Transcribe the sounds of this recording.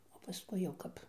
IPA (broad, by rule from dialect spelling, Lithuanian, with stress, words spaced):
oː pɐˈskʊɪ jɛʊ ˈkɐp